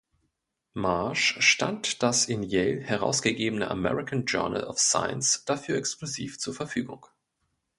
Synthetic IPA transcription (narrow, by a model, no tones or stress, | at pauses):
maɐʃʃta̰ntd̥asɪnjɛlhɛʁ̞a̰ʊsɡ̥əɡeːbənə̰ʔa̰mɛ̰ʁɪkʰand͡ʒœ̰ɐnə̰lɔ̰fsa̰ɪə̰nsd̥afyːɐɛksklʊziːft͡suːɐfɛɐfyːɡʊ̰ŋ